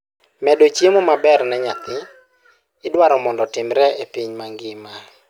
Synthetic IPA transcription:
mɛdot͡ʃemomabɛrnɛɲat̪ɪ | ɪdwaɾɔmɔndɔtɪmɾɛepiɲmaŋɡɪma

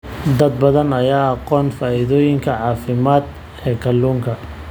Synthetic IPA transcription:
d̪ɐd̪̚bɐðɐnɐjaːɑqɔːnfaːɪðɔːjɪŋkʰɐʕɑːfɪmaːd̪ | ɛːkʰɐlːuːŋkʰɐ

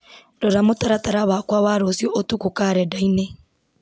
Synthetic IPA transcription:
dɔɾamotaɾataɾaβakwawaɾosjɔʔotukukaːɾɛdaine

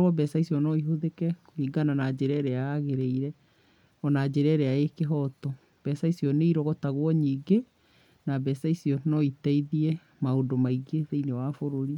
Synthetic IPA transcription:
ɾwɔbɛsaisiɔnɔiɦoðekɛkoiɡananad͡ʑeɾɛɾeaaɣeɾeiɾɛ | ɔnad͡ʑeɾɛɾeaekeɦɔtɔ | b̥ɛsaisiɔneiɾɔɣɔtaɣwɔɲiːɡe | nabɛsaisiɔnɔitɛiðiɛ | maondomaiɡeðeinewafoɾoɾi

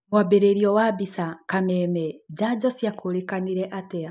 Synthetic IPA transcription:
mwabeɾeɾiɔwabisakamɛmɛd͡ʒaɟɔsjakʰulikaniɾɛʔatɛa

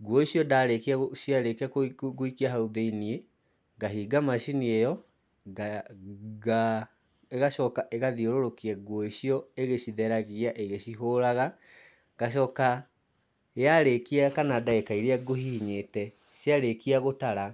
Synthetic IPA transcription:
ɡwɔiɕjɔdaɾekiaoɕjaɾekiakɡoikiaɦauðeinie | ŋɡaɦiːɡamaʃiniejɔ | ɡa | eɣaɕɔkaʔeɣaðioɾoɾokiɛɡwɔiɕiɔeɣeɕiðɛɾaɣiaʔeɣeɕiɦoːɾaɣa | ŋɡaɕ̬ɔːka | jaɾekiakanadaekaiɾeaɡoɦiɲetɛ | ɕjaɾekiaɣotaɾa

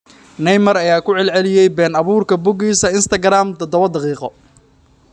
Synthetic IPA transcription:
nɛjmɐrɐjaːkʰʊʕɛlʕɛlɪjɛjbɛːnɑβuːrkʰɐbʊɡiːsɐɪnst̪ʰɐɡɾaːmd̪ɔd̪ɔβɐd̪ɑqiːqɔ

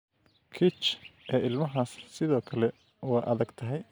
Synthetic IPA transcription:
kʰɪt͡ʃʔɛːɪlmɐɦaːssɪðɔːkʰɐlɛ | wɑːʔɐðɐɡt̪ʰɐɦɛj

